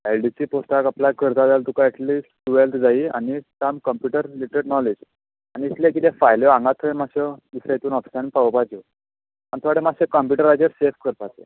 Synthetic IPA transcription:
elɖisiːposʈ̪akapljakʰəɾt̪aʋalt̪ukaɛʈliːsʈʈʋelt̪ʰd͡zaia̰nisamkəmpjuʈəɾliʈɾeɽnɔled͡z | aniːt̪lẽk̬it̪ɛfajljɔãŋɡat̪ʰːɔemaɕɔd̪isɾajt̪uːnɔfi̥sanipaɔpad͡ʑɔ | ant̪ʰɔaɽemaɕekəmpjuʈəɾːad͡ʑəɾsefkəɾp̪at̪ḛ

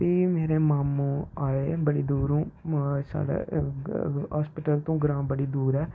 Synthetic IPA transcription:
biːmeːɾeːmaːmũːaːeːbəɽiːd̪uːɾũːsa̰ːɽḛ | ɦaːspɪʈəlt̪õːɡɾãːbəɽiːd̪uːɾɛː

